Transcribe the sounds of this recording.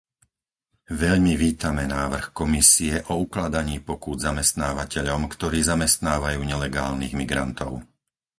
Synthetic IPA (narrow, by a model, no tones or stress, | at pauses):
ʋɛʎmiʋiːt̪amɛnaːʋr̩xkɔmisiɛʔɔuklad̪aɲiːpɔkud̪zamɛst̪naːʋacɛʎɔmkt̪ɔɾiːzamɛst̪naːʋajuːɲɛlɛɡaːlnḭɣmiɡɾa̰nt̪ɔʊ